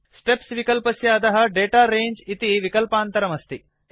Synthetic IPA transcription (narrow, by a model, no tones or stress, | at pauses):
sʈepsʋikɐlpɐsjɐːd̪ɐɦɐ̆ɖeːʈaːɾeːɲd͡ʒit̪iʋikɐlpaːnt̪ɐɾɐmɐst̪i